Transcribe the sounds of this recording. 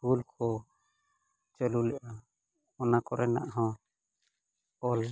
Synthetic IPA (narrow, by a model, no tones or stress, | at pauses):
ulkʰɔ | t͡ʃəlulɛʔa | ɔnakɔɾɛna̰ʔɦɔ̃ | ɔl